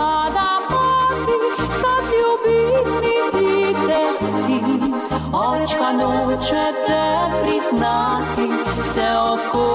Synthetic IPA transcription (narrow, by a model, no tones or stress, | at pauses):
ad̪amat̪i | sad̪lʲubiznit̪id̪ɛsi | ɔt͡ʃkanot͡ʃɛt̪ɛpɾiznat̪i | sɛɔko